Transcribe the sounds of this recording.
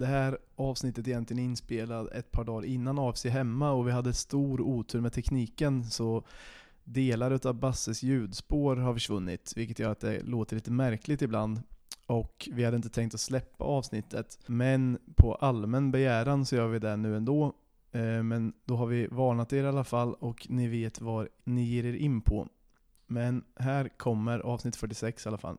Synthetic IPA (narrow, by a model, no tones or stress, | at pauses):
d̪ɛɦæːɾɑːvsnɪt̪ːət̪ɪjɛnt̪lɪənɪnspeːlad̪ɛt̪̚pʰɑːɖɑːɾɪnːanɑːvsɛɦɛmːaɔvɪɦad̪ːət̪st̪uːɾuːt̪ʰʉːɾmɛt̪ʰɛkniːkənsɔ | d̪eːlaɾʉ̟ːt̪ɑvbasːəsjʉ̟ːd̪spoːɾɦaɾfœʂvɵnːɪ̰t̪vɪlkət̪jœːɾat̪̚d̪ɛ̰loːt̪əɭiːt̪əmæɾklɪɡ̚t̪ɪbland̪ɔkvɪhad̪əɪnt̪ət̪ʰɛŋk̚t̪ɔslɛpːa̰ɑːvsnɪt̪ʰːət̪mɛnpʰɔʔalmɛnbɛjæːɾansɔjœːɾvɪd̪ɛnʉ̟ːɛnd̪oː | mɛnd̪ɔɦaɾvɪvɑːɳat̪eːɾalːafalːɔknɪveːt̪vɑɾnɪjiːɾeːɾʔɪnːpʰɔ̰ | mɛnɦæːɾkʰɔmːəɾʔɑ̰ːvsnɪt̪fœʈ̬ːɪsɛksalːafa̰lː